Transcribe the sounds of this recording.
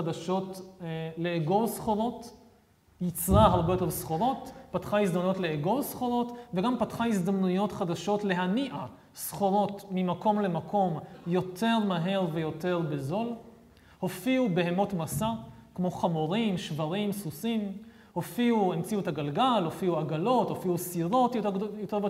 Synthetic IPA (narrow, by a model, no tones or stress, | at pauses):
adaʃo̞tle̞ːɡo̞lsχoʁo̞t | jit͡sʁaaʁbe̞jote̞ʁsχoʁo̞tpatχaisd̪amnujo̞tle̞eɡo̞lsχoʁo̞tveɡampatχaisd̪amnujo̞tχadaʃo̞tle̞ɦaniʔa | sχo̞ʁo̞tmimako̞mle̞makʰo̞mjo̞tʰe̞ʁmaɦe̞ʁve̞jo̞te̞ʁbezo̞l | ho̞fiube̞ɦemo̞tmasakmo̞χamoʁimʃvaʁimsusim | ho̞fiuemt͡siuetaɡalɡalhofiuaɡalo̞thofiusiʁo̞tjojoteʁb